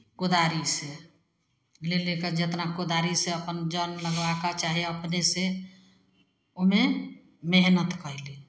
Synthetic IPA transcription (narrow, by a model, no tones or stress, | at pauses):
kod̪aɾise | leleked͡ʒet̪nakod̪aɾiseəpənd͡ʒənləɡʋakat͡ʃaɦieəpnese | ome | meɦnət̪kəɦli